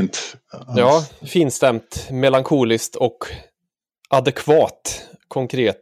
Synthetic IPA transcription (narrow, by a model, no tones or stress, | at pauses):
t̪jɑːfiːnst̪ɛmt̪mɛlaŋkʰuːlɪskt̪ʰɔk | ʔad̪ɛkʰvɑːt̪kʰɔŋkʰɾeːt̪